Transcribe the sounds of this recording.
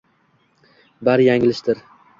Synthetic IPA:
baɾjaŋɪlɪʃt̪ɪɾ

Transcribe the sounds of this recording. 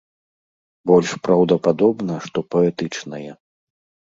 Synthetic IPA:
bɔlʲʂpɾɐwd̪ɐpad̪ɔbnɐʂt̪ɔpɔɛt̪ɨt͡ʂnɐjɛ

